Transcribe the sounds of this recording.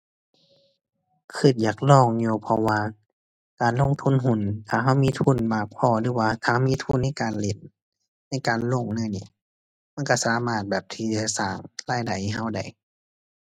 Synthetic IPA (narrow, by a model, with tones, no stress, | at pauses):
kʰɯː˧˩t̪̚jaː˨˩k̚lɔː˧˩ŋɲuː˧˩pʰɔ˧waː˧ | kaː˨nlo˧˥˨ŋt̪ʰu˧˥˨nɦu˧˩˨nt̪ʰaː˧˩ɦa˧˥˨wmiː˧˥˨t̪ʰu˧˥˨nbaː˧˩k̚pʰɔː˧˩lɯː˧˥˦waː˧t̪ʰaː˧˩miː˧˥˨t̪ʰu˧˥˨nːa˧˥˨jkaː˨nle˧˩n̚ | na˧˥˩jkaː˨nlo˧˨ŋnɯ˧˥˨nḭ˧˨ | ma˧˥˨nka˧˩saː˨˦maː˧˩t̪̚bɛː˨˩p̚t̪ʰiː˧˩t͡ɕa˧˩saː˧˩ŋlaː˧˩˨jda˨˩jɦa˧˩˨wda̰˧˩j